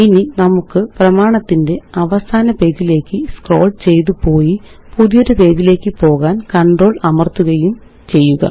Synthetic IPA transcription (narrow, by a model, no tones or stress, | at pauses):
ininɐmukːɨprɐmaːɳɐt̪ːinde̞ɐʋɐsaːnɐpe̞ːdile̞ːkːɨskro̞̰ːlɖt͡ɕe̞jt̪̬upo̞ːji | puðijoɾupe̞ːðile̞ːkːɨpo̞ːɣaːnkɐɳɖro̞ːɭɐmɐrt̪uɣɐjum | t͡ɕe̞jːuɣɐ̰